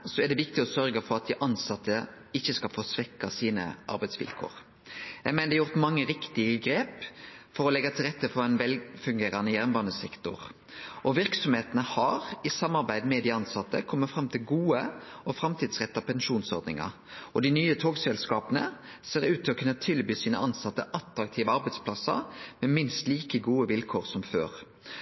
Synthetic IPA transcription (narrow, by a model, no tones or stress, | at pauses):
sɔɛd̪ɛʋɪkt̪ɪɔsœɾɡəfɔɾɑt̪̚d̪ɪʔɑnsɑt̪ʰːə | ɪçːəskɑlfɔsʋɛkːɑsiːnə̰ʔɑ̰ɾbæɪsʋɪ̰lkʰo̰ːɾ | jæɪmɛnd̪ɛjʊʁt̪mɑŋːəɾɪkt̪ɪəɡɾeːpfɔɾɔlɛɡːɑt̪ʰɪlʁɛt̪ːəfɔɾæɪnʋɛlfʉŋɡeːɾɑnəjæɾnbɑnəsɛkt̪ʊ̰ʁ | ʔɔʋɪɾksɔmheːt̪ənəhɑɾɪsɑmːɑʁbæɪd̪mɛd̪ɪɑnsɑt̪ːə̰kʰɔmːət̪fɾɑmt̪ʰɪlɡuːəʔɔfɾɑmt̪ʰiːd̪sʁɛt̪ːɑpʰɛnʃuːnsɔ̰ɾd̪nɪ̰ŋɑ̰ | ɔd̪ɪnyːət̪ʰoːɡsɛlskɑːpənə̰ | seːʁʉːt̪ʰːɪlɔkʰʉnːət̪ʰɪlbyːsiːnə̰ʔɑnsɑt̪ːəʔɑt̪ɾɑk̚t̪ʰiːʋəɑɾbæɪd̪spʰlɑsɑ̰mɛmɪnst̪liːkəɡuːəʋɪlkʰoːʁsɔmfø̰ːʁ